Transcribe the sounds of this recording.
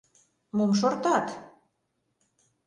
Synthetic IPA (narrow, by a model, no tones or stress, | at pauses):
mumʃ̬ort̪ɑt̪